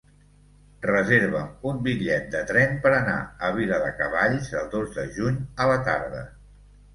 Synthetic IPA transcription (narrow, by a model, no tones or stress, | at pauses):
rəzeɾβ̞əumbiʎɛt̪̚d̪ət̪ɾɛmpəɾəna̰əβ̞iləðəkəβaʎzəlˠd̪ozðəʒuɲələt̪a̰ɾðə